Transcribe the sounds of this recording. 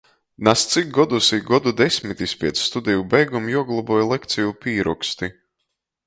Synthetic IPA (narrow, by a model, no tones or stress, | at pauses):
nast̪sik̚ɡɔd̪usiɡɔd̪ud̪esʲmit̪isʲpʲiɛt̪sːt̪ud̪ʲɛjubɛjɡumjuɔɡlˠɔbuɔjlˠɛkt̪sʲijupiːɾɔkst̪i